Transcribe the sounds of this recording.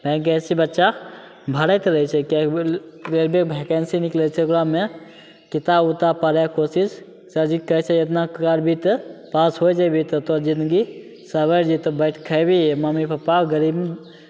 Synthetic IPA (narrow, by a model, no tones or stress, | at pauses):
pə̃kɛsibətːʃa | bʱəɾət̪ɾəɦit͡ʃʰɛkeɾeɾbek̚bʱɛkɛnsiniklɛt͡ʃʰɛklame | kit̪abut̪apəɾjakosis | səd͡ʒikəɦt͡ʃʰɛet̪nakkaɾbʱit̪pasɦojd͡ʒajbʱit̪ɔt̪ɔd͡ʒind̪ɡi | səbəɾd͡ʒit̪ɔbəɪʈʰkʰəjbimamipəpːaɡəɾib